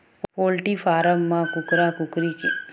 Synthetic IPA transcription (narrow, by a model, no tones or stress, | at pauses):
poːlʈifaːɾɐmːãːkʊkɾãːkʊkɾike